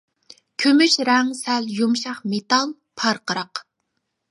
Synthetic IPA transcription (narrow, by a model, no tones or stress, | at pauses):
kʲʰømyʃɾɛŋsɛljumʃɑχmet̪ɑlˠ | pʰɑɾqəɾɑq